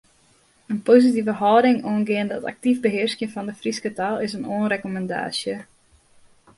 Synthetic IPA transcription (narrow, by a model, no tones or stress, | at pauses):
ənpozitivəɦɔːdɪŋoːnɡɪəndɔta̰k̚tivbəɦɪərskjəfɔndəfriskətalˠɪsənoːnrekomɛnda̰ːsjə